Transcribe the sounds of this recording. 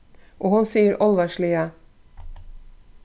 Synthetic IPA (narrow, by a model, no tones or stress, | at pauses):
ʔoːhʊnsiːəɾʔɔlʋæʃɭiːɑ